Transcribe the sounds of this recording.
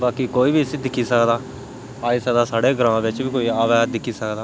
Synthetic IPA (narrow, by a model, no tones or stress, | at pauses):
baːkiːkoːiːbiːsid̪ɪkʰːiːsəkd̪aː | aːiːsəkd̪aːsaːɽeːɡəɾãːʋɪt͡ʃbiːkoːiːaːʋɛːd̪ɪkʰːiːsəkd̪aː